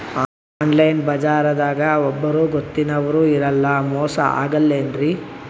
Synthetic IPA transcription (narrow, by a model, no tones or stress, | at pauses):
aː | nlɐjnbɐd͡ʒaːɾɐd̪aːɡɐɔbːɐɾuɡot̪ːinɐʋɐɾuːiɾɐlːɐmɔːsɐ̰ʔa̰ːɡɐlːendɾi